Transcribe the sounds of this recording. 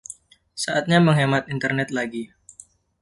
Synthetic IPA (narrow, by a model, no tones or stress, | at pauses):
saʔat̪̚ɲaməŋɦemat̪int̪ərnɛt̪̚laɡi